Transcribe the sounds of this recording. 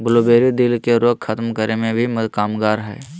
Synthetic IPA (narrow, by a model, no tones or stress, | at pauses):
bʊloːbeːɾid̪ɪlkeɾoːkxʰət̪mkəɾemẽbʱiməd̪kaːmɡaːɾɦɛ̰ː